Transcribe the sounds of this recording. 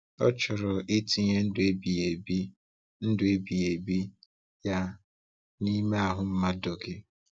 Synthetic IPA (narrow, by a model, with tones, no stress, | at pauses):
ɔ̰˦t͡ʃʊ˨ɾʊ˨i˦ti˨ɲe˦n̩˦dʊ˨e˦bi˨e˨bi˦ | n̩˦dʊ˦˨e˦bi˨e˨bi˦ | ja˦ | ni˦me˦a˨ɦʊ˨m̩˦ma˦dʊ˨ɡɪ˦